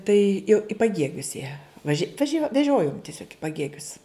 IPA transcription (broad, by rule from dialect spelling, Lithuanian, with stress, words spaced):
tɐɪ jɛʊ ɪ pɐˈɡʲiɛɡʲʊs jiɛ ʋɐˈʒʲɪ ʋɐˈʒʲoː ʋʲɛˈʒʲoːjoːm tʲɪˈsʲoːk ɪ pɐˈɡʲiɛɡʲʊs